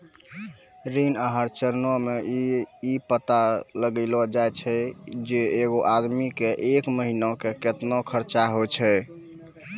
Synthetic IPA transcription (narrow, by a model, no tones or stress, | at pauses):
ɾinəɦəɾt͡ʃəɾnɔmeipət̪aləɡəɪlɔd͡ʒajt͡ʃʰɛd͡ʒeeɡoʔad̪mikeʔekməɦinɔkeket̪nɔkʰəɾt͡ʃaɦot͡ʃʰɛ